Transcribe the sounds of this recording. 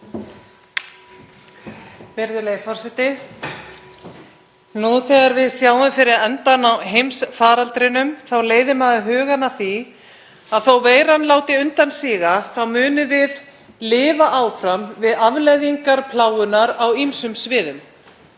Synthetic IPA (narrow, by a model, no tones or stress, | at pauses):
pɪɾðʏlejfɔr̥sɛt̪ɪ | nuθɛɣaɾvɪðsjaːwʏmfɪɾɪðɛnt̪anaɦejmsfaːɾalt̪ɾɪnʏmθawleːjðɪmaðɦœːɣanaθi | aðθawveːjɾanlaːwt̪ɪʏnt̪ansiːɣaθawmʏːnʏvɪð | lɪːvaʔaːwfɾamvɪðavlɛðiŋkaɾpʰlaːwʏnaɾawimsʏmsvɪːðʏm